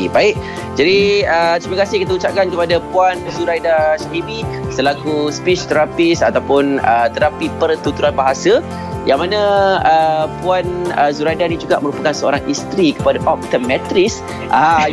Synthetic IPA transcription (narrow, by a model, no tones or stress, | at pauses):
baɪʔ | d͡ʒadiət̪ɾimakasɪhkit̪aut͡ʃap̚kankəpadapuanzuɾajdaʃaɦibisəlakuspit͡ʃt̪əɾapisat̪awpʊnət̪əɾapipərt̪ut̪uɾanbaɦasa | jaŋmanãəpuanəzuɾajdanid͡ʒuɡa̰ʔmə̃ɾupakansəo̰ɾaŋist̪ɾikəpadaʔɔp̚t̪əmɛt̪ɾɪs | ʔa̰a